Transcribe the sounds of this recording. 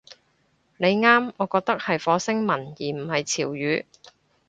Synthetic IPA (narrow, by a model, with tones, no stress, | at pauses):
ne˨˧jŋaː˥mɔː˨˧kɔː˧k̚t̪ɐ˥k̚hɐ˨jfɔː˨˧sɪ˥ŋmɐ˨˩njiː˨˩m̩˨˩hɐ˨jt͡sʰiː˨˩wjyː˨˧